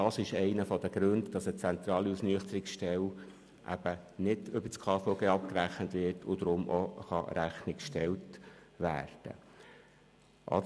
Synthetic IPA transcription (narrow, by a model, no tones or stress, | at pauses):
d̥ɑsɪʃɛɪnəfɔd̥̪əɡ̥ɾøndd̥ɑsət͡sɛnt̪ɾɑːliusnyəχt̪əɾɪksʃtɛl | ʔæ̰b̥ənɪdʏbət͡skʰɑːfoɡeːɑp̚kɾæχnət̪ʋɪɾtʰʊd̪ɾʊmʔoχɑɾæχnɪkʃtɛltʋæ̰ːrd̥ə̰ | ʔɑ̰